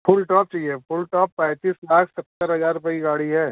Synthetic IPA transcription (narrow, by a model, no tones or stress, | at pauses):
fʊlʈɔːp̚t͡ʃaːɦiepʊlʈɔːpːɛ̃ːt̪iːslaːkʰsɐt̪ːəɾɦɐzaːɾʊpəiɡaːɽiɦɛː